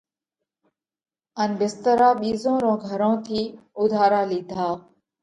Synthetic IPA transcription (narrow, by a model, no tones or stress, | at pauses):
ənbɪst̪əɾaːɓiːzõːɾõːɡʱəɾõːt̪ʰiːʊd̪ʱaːɾaːliːd̪ʱaː